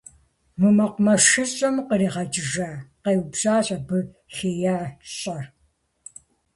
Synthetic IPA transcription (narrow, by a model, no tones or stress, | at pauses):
mɨmɐqʷʊmɐʂɨɕʼɐmqəɾiːʁɐt͡ʃɪʒaqewbzaːɕʼɐbɨ | xeːjaɬɕʼɐr